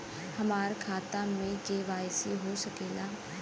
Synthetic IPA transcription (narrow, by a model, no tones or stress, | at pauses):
həmaːɾkʰaːt̪ãmẽd͡ʒeːʋaːjseɦosəkeːla